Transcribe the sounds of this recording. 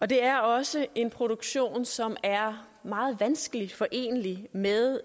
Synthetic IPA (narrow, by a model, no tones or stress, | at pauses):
ɒ̽d̥e̝æɐɒ̽səe̝npʰʁo̝ɾ̥oɡ̥ɕo̝̰ːnsɒ̽mæɐ | mɑ̈ːð̞̩ˠʋænsɡ̥əlid̥fɒ̽ʔe̝̰ːnəlimeðˠ